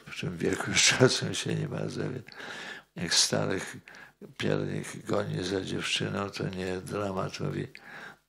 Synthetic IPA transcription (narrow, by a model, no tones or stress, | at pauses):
pt̪ɨmvʲjɛlkwɨt͡ʂasɛmɕɛɲɛma̰zavʲɛ | jakst̪aɾɪxpʲjɛɾɲḭxɡɔɲizad͡ʑɛft͡ʂɘnɔ̃w̃t̪ʰɔɲɛd̪ɾamat̪ʰɔvʲi